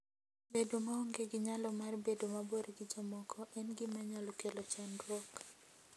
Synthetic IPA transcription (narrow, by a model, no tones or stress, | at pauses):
bedomaɔŋɡeɡɪɲalɔmarbedomaboɾɡɪd͡ʒɔmɔkʰɔʔɛnɡɪmaɲalɔkelot͡ʃandwɔk